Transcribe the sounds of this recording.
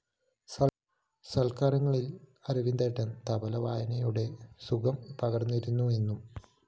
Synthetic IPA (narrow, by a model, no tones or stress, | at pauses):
sɐlkaːɾɐŋːɐɭilɐɾuʋind̪eʈːɐnt̪ɐbɐlɐʋaːjɐnɐjuɽe̞sukɐmpɐɣɐrnːiɾunːue̞nːum